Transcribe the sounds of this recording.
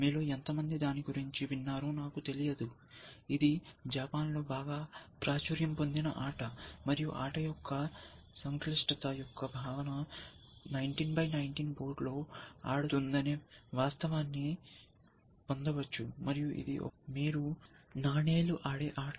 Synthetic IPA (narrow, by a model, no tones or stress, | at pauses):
miːloːent̪ɐmɐnd̪id̪aːniɡuɾiɲt͡ʃiʋinːaːɾuːnaːkut̪e̞lijɐd̪u | id̪id͡ʒaːpaːnlo̞ːbaːɡaːpɾaːt͡ʃuɾjɐmpo̞nd̪inɐ̰ʔaːʈɐmɐɾijṵʔa̰ːʈɐjɔkːɐsɐŋkliʂʈɐt̪ɐjɔkːɐbʱaːʋɐnɐ | nɐjɳʈinbɐjnɐjɳʈinpoːɾʈlo̞ːaːɽut̪und̪ɐniʋaːst̪ɐʋaːnːi | po̞nd̪ɐʋɐt͡ʃːumɐɾijuʔḭd̪ḭmiːɾunaːne̞ːluʔaːɽeːʔaː